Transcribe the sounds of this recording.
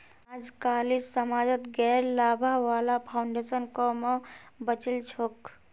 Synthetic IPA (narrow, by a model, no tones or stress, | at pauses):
ad͡ʒkalissəmad͡ʒət̪ɡɛɾlabʱaʋalapʰaʊɳɖesənkɔmebət͡ʃilt͡ʃʰok